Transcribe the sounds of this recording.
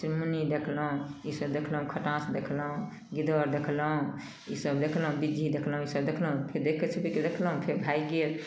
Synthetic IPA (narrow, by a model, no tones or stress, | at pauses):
siɾmunid̪ekʰləɦũisəbd̪ekʰləɦũkʰəʈãsd̪ekʰləɦũ | ɡid̪əɾd̪ekʰləɦũ | isəbd̪ekʰlɦũbid͡ʒʱid̪ekʰləɦũisəb̚d̪ekʰləɦũpʰeɾd̪ekʰet͡ʃʰubiked̪ekʰləɦũpʰeɾbʱajɡel